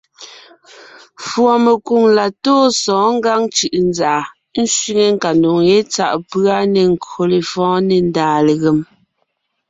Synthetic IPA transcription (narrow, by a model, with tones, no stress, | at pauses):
fwɔ˨me˨ku˨ŋla˨toː˦sɔ̃ː˨˦ŋ̩˦ɡa˦ŋt͡ʃɯ˨ʔn˦zaː˨ | n̩˦swi˦ŋe˨ŋ̩˦ka˨ndo˨ŋje˦t͡sa˦˨ʔpɰa˦ne˨ŋ˨ko˨le˨fɔ̃ː˦ne˨n˦daː˨le˨ɣe˨m